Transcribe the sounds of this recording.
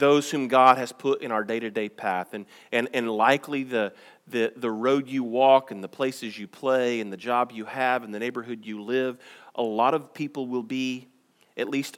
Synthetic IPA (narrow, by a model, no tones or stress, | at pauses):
ðoʊz̥hʉ̃mɡɑd̚ɨz̥pʰʊɾʔɨ̰̃ñaʊə˞deɪɾɨdeɪpʰæθɨ̃n | ɨ̃nɨ̃nlaɪkʰliðɨ | ðɨðɨɹoʊdjɨwɔkɨ̃nðəpʰl̥eɪsɨzjɨpʰl̥eɪɨ̃nðɨd͡ʒɑbjɨɨvn̩ðɨneɪbə˞ɦʊdjɨlɪvʔəlɔɾʌv̥pʰipl̩ˠwɪlˠbi | ʔɨtˡlist